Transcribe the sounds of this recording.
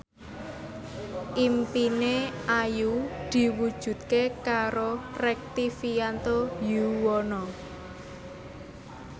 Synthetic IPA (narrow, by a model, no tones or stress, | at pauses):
ʔimpineajud̪̥i̤wud̥ʒ̥ṳt̪̚kekaɾorɛk̚t̪ifijant̪ojuwɔnɔ